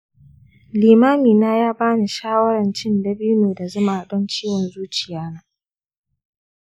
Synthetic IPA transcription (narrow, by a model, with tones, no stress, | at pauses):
liː˨maː˦miː˨naː˦jaː˦baː˦niː˨ʃaː˦wɐ˦ɾɐ˨nt͡ʃɪ˦ndɐ˦bu˦neː˨da˨zʊ˦maː˨dɔ˦nt͡ʃiː˦wɔ˨nzuː˦t͡ʃɪ˨jaː˦naː˦